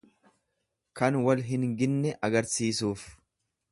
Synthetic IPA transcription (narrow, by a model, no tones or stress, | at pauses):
kɐnwɐlɦɪnɡɪnːɛʔɐɡɐɾsiːsuːf